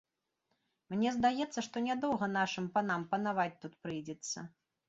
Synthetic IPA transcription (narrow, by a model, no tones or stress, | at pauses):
mnʲɛzd̪ajɛt̪sːɐʂt̪ɔnʲad̪ɔwɣɐnaʂɨmpan̪ampɐn̪avat͡sʲt̪ut̪̚pɾɨjd͡zʲɛt̪sːɐ̰